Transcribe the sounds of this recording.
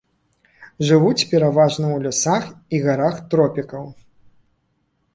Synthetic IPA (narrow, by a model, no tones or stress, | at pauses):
ʐɨvut͡sʲpʲɛɾavaʐnɐwlʲɔsaxiɣaɾaxt̪ɾɔpʲikɐw